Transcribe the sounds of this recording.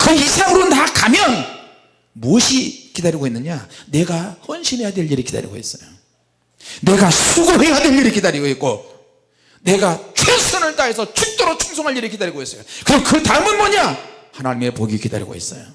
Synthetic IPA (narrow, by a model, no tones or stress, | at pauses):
kɯçisʰaŋɯɾonakamjʌn | muʌɕʰikidaɾiɡoenːɯɲane̞ɡahʌnɕʰinɦe̞jadwe̞ʎːiɾikid̪a̰ɾḭɡo̰ḛs͈ʌjo | ne̞ɡasʰuɡoɦe̞jadwe̞ʎːiɾikidaɾiɡoik̚k͈o | ne̞ɡat͡ɕʰwesʰɯnɯɭt͈aesʰʌt͡ɕʰuk̚t͈oɾot͡ɕʰuŋsʰoŋɦaʎiɾikidaɾiɡoes͈ʌjokɯɾiɡokɯtaɯmɯnmʌɲahanaɲime̞poɡikida̰ɾḭɡo̰es͈ʌ̰jo